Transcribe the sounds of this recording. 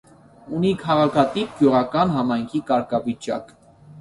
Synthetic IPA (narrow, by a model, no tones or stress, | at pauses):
unikʰɑʁɑkʰɑt̪ip̚ɡ̥juʁɑkɑnɦɑmɑjŋkʰikɑɾkʰɑvit͡ʃɑ̰k